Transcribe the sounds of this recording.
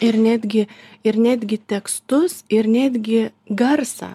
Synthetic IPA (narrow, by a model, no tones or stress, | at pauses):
ɪɾnʲæːd̪ʲɡʲɪɪɾnʲæːd̪ʲɡʲɪt̪ʲɛkst̪ʊsɪɾnʲæːd̪ʲɡʲɪ | ɡɐɾsɑ̰